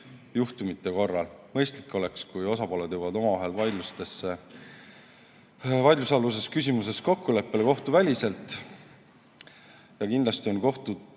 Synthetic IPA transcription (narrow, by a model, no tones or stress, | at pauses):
juht̪umit̪ˑːe̞ko̞rːɑlmɤ̞jst̪likːˑo̞le̞kskujo̞sɑpo̞led̪̥jəwɑd̪o̞mɑvɑɦe̞lvɑjd̪lust̪esːe | vɑjd̪lusɑlus̬e̞skys̬ʲimuse̞sko̞kːule̞pːe̞leko̞ht̪uvælʲise̞lt̪ːˑ | jɑkind̪lɑst̪io̞nko̞ht̪u